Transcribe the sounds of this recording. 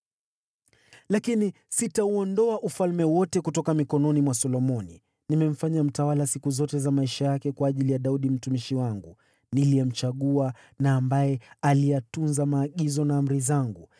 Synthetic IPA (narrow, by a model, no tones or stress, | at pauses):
lakini | sitauɔndɔaʔufalmɛwɔtɛkutɔkamikɔnɔnimwasɔlɔmɔni | nimɛm̩faɲam̩tawalasikuzɔtɛzamaiʃajakɛkwaːʄilijaɗauɗim̩tumiʃiwaŋɡu | nilijɛm̩t͡ʃaɠua | naːmbajɛalijatunzamaːɠizɔnaːm̩ɾizaŋɡu